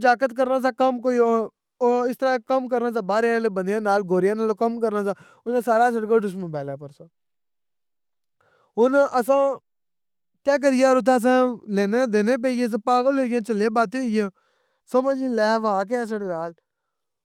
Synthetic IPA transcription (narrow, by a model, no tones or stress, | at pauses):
d͡ʒaːkət̪kəɾnaːs̬aːkəmkoːio | ɪst̪əɾaːkəmkəɾnãːsãːbaːɾalebənd̪jãːnaːlɡoːɾɪjãːnaːloːkəmkəɾnãːsãː | ʊnãːsaːɾaːs̬əɽkəːɖʊʃmə̃bɛːlaːpəɾsãː | ʊnʔəsãː | tɛːk̬əɾɪjãːɾʊt̪̬aːs̬ãːleːneːd̪eːneːp̬eːɪẽs̬ãːpaːɡəlːeːɡãːt͡ʃəlẽːbaːt̪eːɪãː | səməd͡ʒilɛːʋaːk̬ːsəɽnaːl